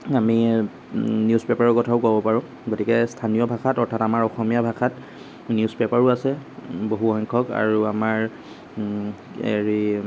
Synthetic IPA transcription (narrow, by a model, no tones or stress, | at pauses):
ami | niuspepaɹɔkɔtʰaʊkuabɔpaɹʊ̃ | ɡotikɛstʰanijɔbʱakʰatɔɹtʰatamaɹɔxɔmijabʱakʰat | niuspepaɹʊasɛboɦuxɔŋkʰɔka̰ɹuamaɹ | ḛɹi